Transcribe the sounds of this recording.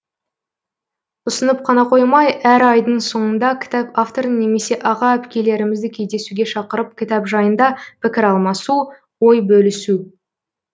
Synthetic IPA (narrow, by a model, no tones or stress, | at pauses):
ʊsənəp̚qʰɑnɑqʰo̞jmɑjæɾɑjd̪əɴso̞ɴənd̪ɑkʲʰɪ̥t̪ɑpaft̪o̞ɾəne̞me̞se̞ʔɑʁɑæpkʲe̞le̞ɾɪmɪzd̪ɪkʲʰe̞jd̪e̞suɡʲe̞ʃɑqəɾəp̚kʲʰɪt̪ɑpʒɑjənd̪ɑpʲʰɪkʲɪɾɑlˠmɑsu | wo̞jbɵlɪsu